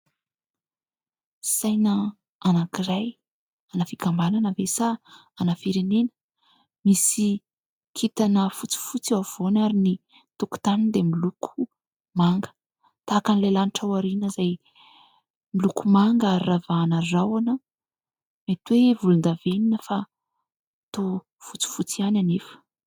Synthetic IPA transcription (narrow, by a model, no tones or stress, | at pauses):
sajnə | anakiɾaj | anəfikambananəvesa | anəfiɾenenə̥ | misi | kʰit̪anəfut͡si̥fut͡siav̥onaɾini | t̪uku̥t̪anind̪emilukʰu̥ | maŋɡə̥ | t̪akanilalaniʈ͡ʂawaɾinəzaj | milukumaŋɡaravanərawanə | met̪wevulund̪aveninəfa | t̪o | fut͡si̥fut͡siananefə̥